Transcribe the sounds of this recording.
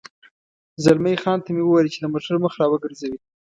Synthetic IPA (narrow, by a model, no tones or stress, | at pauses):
zalmajxɑnt̪amewəwɑjlit͡ʃed̪əmoʈaɾməxɾɑwəɡəɾzawi